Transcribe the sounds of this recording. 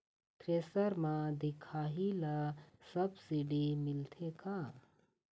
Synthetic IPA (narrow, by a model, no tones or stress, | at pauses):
t̪ɾeːsəɾmãd̪ɪkʰaːɦilasɐbsiɖimɪlt̪ʰeka